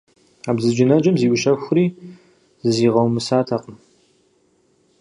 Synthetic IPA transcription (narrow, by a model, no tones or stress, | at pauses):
aːbzɨd͡ʒɪnɐd͡ʒɐmziːʔʷʊʃɐʊriː | zɨziːʁɐwmɨsaːtʰɐqʼəm